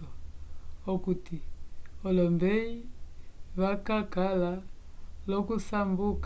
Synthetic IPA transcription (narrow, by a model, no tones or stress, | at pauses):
ɔ | okutiɔlɔmbɛi | βakakala | lɔkusambuk